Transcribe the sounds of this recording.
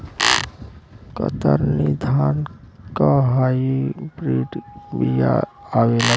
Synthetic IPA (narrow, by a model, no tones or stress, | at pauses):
kə̰t̪ə̰ɾnid̪ʱaːnkaɦajibɾiːʈbija̰awela